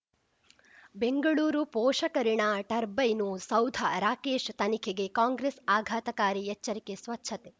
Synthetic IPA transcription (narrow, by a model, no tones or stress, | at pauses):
beŋɡɐɭuːɾupoːʂɐkɐɾiɳaʈɐɾbɐjnusɐwd̪ʱɐɾaːkeːʃt̪ɐnikʰeɡekaːŋɡɾesaːɡʱaːt̪ɐkaːɾiet͡ʃːɐɾikesʋɐtːʃʰɐt̪e